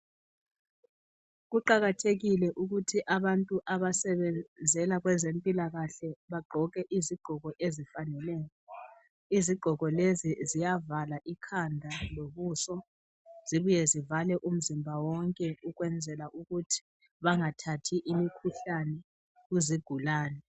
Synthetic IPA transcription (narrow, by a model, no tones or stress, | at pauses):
ɣuǃaɣatʰeɣilɛʔuɣutʰiʔaβantʼuʔaβasɛβɛd͡zʱɛlaɣwɛzempʼilaɣaɬɛβaɡ͡ǃʱɔɣɛʔiziɡ͡ǃ̥ʱɔɣɔʔezifanɛlɛːjɔ | iziɡ͡ǃʱɔɣɔlezizijavalaʔikʰandʱaloβusɔ | z̥iβujɛzivalɛʔum̩zimbʱawɔŋkʼɛuɣwɛnd͡zʱɛlaʔuɣutʰi̥ | βaŋatʰatʰiʔimikʰuɬanɛ | ɣuziɡ̥ʱulaːnɛ